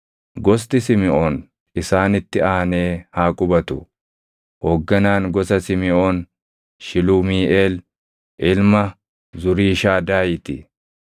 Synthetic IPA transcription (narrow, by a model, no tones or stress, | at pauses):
ɡɔst̪ɪsɪmɪʔoːn | ɪsaːnɪt̪ːɪaːɐne̞ːhaːkʼʊbɐt̪ʊ | hoːɡːɐnaːŋɡɔsɐsɪmɪo̞ːn | ʃɪluːmiːʔeːl | ʔɪlmɐ | zʊɾiːʃaːd̪aːjɪt̪ɪ